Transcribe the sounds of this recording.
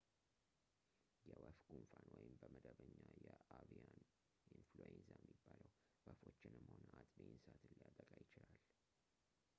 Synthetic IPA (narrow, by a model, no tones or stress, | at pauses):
jɛwəfɡunfanwɔjɪmbəməd̪əβəɲːajɛavian | inflojenzajɛmːibːaləw | wəfo̞t͡ʃːɪnɨmhonəʔat̪ʼbensat̪ɨlːjat̪ʼəkʼajɪt͡ʃɪlal